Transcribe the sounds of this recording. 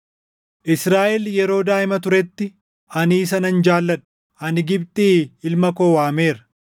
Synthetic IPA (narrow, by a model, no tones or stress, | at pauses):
ʔɪsɾaːʔɛljɛɾo̞ːd̪aːʔɪmɐt̪ʊɾɛt̪ːɪ | ɐniːs̬ɐnɐnd͡ʒaːlːɐᶑʊ̥ | ɐnɪɡɪb̚t̪ʼiːɪlmɐko̞ːwaːme̞ːɾɐ̥